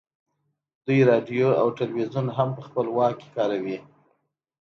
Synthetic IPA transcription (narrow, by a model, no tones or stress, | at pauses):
d̪ujɾɑɖijoa̰wʈalwizunɦampəxpəlwɑkkːe̥kɑɾawi